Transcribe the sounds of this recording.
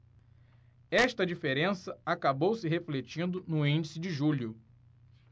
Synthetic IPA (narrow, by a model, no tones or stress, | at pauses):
ɛʃt̪ɐd͡ʒifeɾẽsɐakabowsɪɦeflet͡ʃĩnd̪ʊnʊĩnd͡ʒisɪd͡ʒɪʒuʎʊ